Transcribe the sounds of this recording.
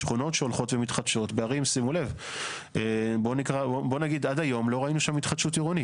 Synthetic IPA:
ʃχuno̞tʃeo̞lχo̞tve̞mitχadʃo̞tbeaʁimsimulev | ʔebo̞nikʁaobo̞naɡid̪ad̪ajo̞mlo̞ʁainuʃamːit̪χad̥ʃutiʁoni

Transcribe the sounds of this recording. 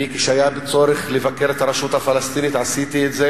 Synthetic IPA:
ike̥ʃajabet͡so̞ɾeχlevakeɾet̪aɾaʃut̪hafalast̪init̪ʕasit̪iet̪ze

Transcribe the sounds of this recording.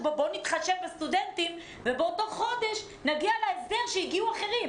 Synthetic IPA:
bobonit̪χaʃevbest̪ud̪ent̪im | vebot̪oχo̞d̪e̞ʃ | naɡialaezde̞ʁʃejiɡiuaχeʁim

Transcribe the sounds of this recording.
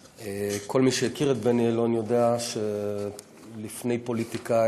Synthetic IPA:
ekʰo̞lmiʃejekiʁet̪̚benielonjo̞deaʃe | lifne̞jpo̞lit̪ika

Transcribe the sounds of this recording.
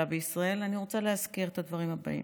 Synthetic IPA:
abeisʁae̞laniʁo̞t͡saleɦazkiʁet̪ad̪vaʁimhaba̰ḭ

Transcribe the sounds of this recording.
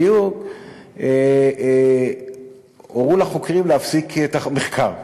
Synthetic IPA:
juɡ | e | oʁulaχokʁimleafsiketameχkʰaʁ

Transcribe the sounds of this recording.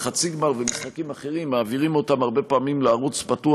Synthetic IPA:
χat͡siɡmaʁvemisχakimaχe̞ʁimːaːviʁimo̞tamaʁbepaːmimleaʁut͡spatu

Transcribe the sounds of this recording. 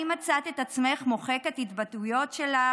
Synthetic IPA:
imat͡sat̪et̪at͡sme̞χmo̞χe̞kethitbatujo̞tʃela

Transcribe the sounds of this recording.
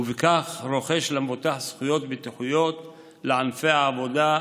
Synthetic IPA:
uvekaχɾo̞χe̞ʃlamvot̪aħsχujo̞t̪bet̪iħujo̞t̪ | leʕanfeaːvo̞d̪a

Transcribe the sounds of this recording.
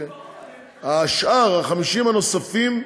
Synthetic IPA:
aʃʔaʁhaχamiʃimano̞safim

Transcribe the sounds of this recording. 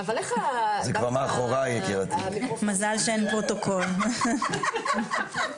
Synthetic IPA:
avalazekvaʁmaχoʁajekiʁat̪imazalʃeenpʁot̪o̞kʰo̞l

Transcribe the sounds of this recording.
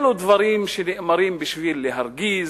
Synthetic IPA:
lud̪vaɾimʃeniʔmaɾimbiʃvilːeɦaɾɡiz

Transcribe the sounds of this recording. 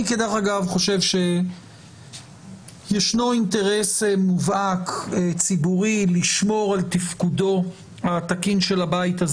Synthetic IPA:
iked̪eχaɡavχo̞ʃe̞vʃe̞ | jeʃnointeʁe̞semuvaket͡sibuʁiliʃmo̞ʁalt̪ifkudo̞ | at̪akinʃe̞labaitaz

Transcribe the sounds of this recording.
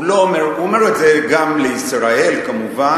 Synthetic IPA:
loomeʁuome̞ʁetzeɡamleisʁae̞lkamuva

